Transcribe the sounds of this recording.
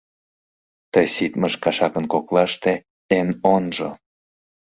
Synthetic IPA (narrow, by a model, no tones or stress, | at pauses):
t̪əjsit̪məʃkɑʃɑkənkoklɑʃt̪e | enonʒo̰